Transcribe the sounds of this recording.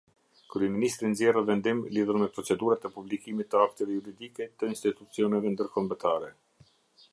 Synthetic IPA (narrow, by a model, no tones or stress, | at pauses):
kɾyɛminist̪ɾinzɛrəvɛnd̪imliðuɾmɛpɾɔt͡sɛd̪uɾat̪ɛpublikimit̪ːəakt̪ɛvɛjuɾid̪ikɛt̪əinst̪it̪ut͡siɔnɛvɛnd̪əɾkɔmbət̪aɾɛ